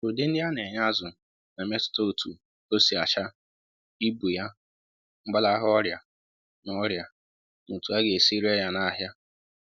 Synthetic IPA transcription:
o˨de˦n̩˦dɪ˦a˦ne˨ɲa˦zʊ˨ | na˨me˦tʊ̥˨to˦o˨tʰu˨ | o˦si˨a˨t͡ʃa˦ | i˦bu˨ja˦ | ŋ͡m̩˦ɡ͡ba˦la˦a˦ɦʊ˦ɔ˦ɾja˨ | nɔ˦ɾja˨ | nu˨tu˨˦a˦ɡe˨si˦ɾe˦ja˦na˦˨ɦja˦

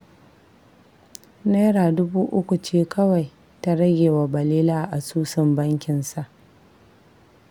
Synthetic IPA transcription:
na˦jɽaː˨dʊ˦buː˦ʔʊ˦kʷu˨t͡ʃeː˦kɐ˦wa˨j | ta˦ɽɐ˦ɡʲeː˨wa˨bɐ˨liː˦laː˦ʔa˨suː˦sɪ˦˨mbɐ˦ŋkʲɪ˨nsa˨ʔ

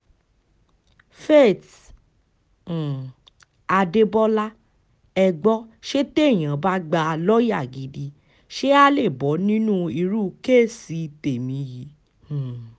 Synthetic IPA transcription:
fe˦˨t | a˧de˧bɔ˦la˦ | ɛ˧˨ɡ͡bɔ˦ʃe˦te˦˨j̃ã˨ba˦ɡ͡ba˧lɔ˦ja˦˨ɡi˨di˧˦ | ʃe˦a˦le˦˨bɔ˨˦nĩ˦nũ˦i˧ɾu˦ke˦˨si˨˦˧te˨mĩ˨˦ji˨˦˨

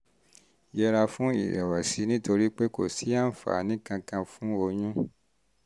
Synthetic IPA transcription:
jɛ˧ɾa˧fũ˦ḭ˨ɾɛ˨wa˨si˨˦nĩ˦to˧ɾi˦k͡pe˦ko̰˨si˨˦a˦˨n̩˨fa̰˨˦nĩ˦kã˧kã˧fũ˦o˧ɲũ˦

